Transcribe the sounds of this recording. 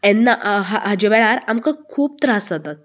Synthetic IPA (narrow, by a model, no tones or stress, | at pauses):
ɛnːaɦaɦad͡ʑeʋɛɭaɾamkəkʰuːp̚t̪ɾasat̪at̪̚